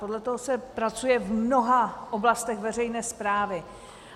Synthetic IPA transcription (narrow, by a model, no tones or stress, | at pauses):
podlɛt̪oɦosɛpɾat͡sujɛvmno̞ɦaʔoblast̪ɛxvɛrɛjnɛːspɾaːvɪ